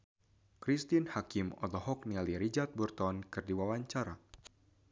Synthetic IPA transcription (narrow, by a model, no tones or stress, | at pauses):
kɾist̪inhakimɔ̰d̪ɔɦɔk̚nialiɾid͡ʒart̪̚burt̪ɔnkɨrdiwawaɲt͡ʃaɾa̰